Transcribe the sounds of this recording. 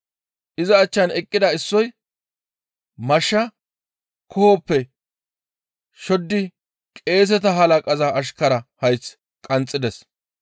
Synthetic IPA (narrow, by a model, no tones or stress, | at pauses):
ʔɪzɐːt͡ʃːɐnɛkʼːɪd̪ɐɪsːɔj | mɐʃːɐ | kʰɔhɔpːɛ | ʃɔd̪ːɪ | kʼe̞ːs̬ɛt̪ɐɦɐlɐkʼɐzɐːʃkɐɾɐhɐjt͡s | kʼɐnt͡sʼːɪd̪ɛs